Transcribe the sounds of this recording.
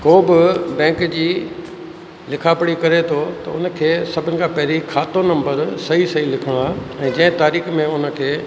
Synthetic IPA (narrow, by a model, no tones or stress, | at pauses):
koːbɪbɛ̃ːkd͡ʑiː | lɪkʰaːpəɽ̃ikɐɾet̪ʰot̪ɐʊ̰nə̆kʰeːsɐbʱɪnɪ̆kʰãːpɐɦɾikʰːaːt̪onɐ̃mbəɾsɐisɐɦilɪkʰəɽ̃aːɛ̃ːd͡ʑɐ̃ɦɪ̃t̪aːɾiːxmẽʊnə̆kʰeː